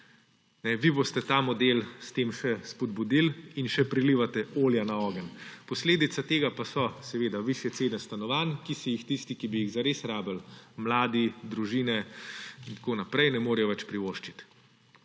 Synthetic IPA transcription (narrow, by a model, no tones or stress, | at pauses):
nɛʋibost̪ɛt̪amɔd̪eːlst̪eːmʃɛspɔd̪bud̪ilinʃɛpɾiliʋat̪ɛoːljanaɔːɡənpɔsleːd̪it̪sat̪eːɡapasɔsɛʋeːd̪aʋiʃjɛt̪seːd̪nɛst̪anɔʋaːnkisijixt̪ist̪ikibiiɣzaɾeːsɾaːbɛlmlaːd̪id̪ɾuʒiːnɛint̪koːnapɾɛjnɛmoːɾɛjɔʋɛt͡ʃpɾiʋoːʃt͡ʃit̪